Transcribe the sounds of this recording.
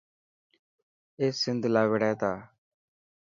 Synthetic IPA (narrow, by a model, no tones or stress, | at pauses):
eːsɪnd̪laːʋəɽɛːt̪aː